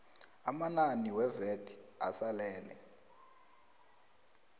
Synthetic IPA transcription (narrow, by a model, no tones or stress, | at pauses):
amananiwɛvedi̥a̰salɛːlɛ̰